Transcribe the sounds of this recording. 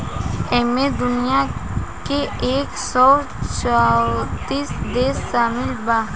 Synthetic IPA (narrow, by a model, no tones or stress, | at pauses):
emẽd̪ʊnijakeeːksɔ | t͡ʃat̪iːsd̪eːsːaːmɪlba